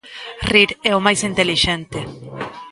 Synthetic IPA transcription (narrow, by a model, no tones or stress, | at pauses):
riɾɛʊmajsint̪eliʃɛnt̪e